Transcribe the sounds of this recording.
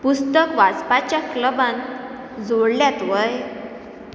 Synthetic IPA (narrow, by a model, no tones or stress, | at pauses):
pust̪əkʋad͡zpat͡ɕjakləbãn | d͡zoɽljat̪ʋəj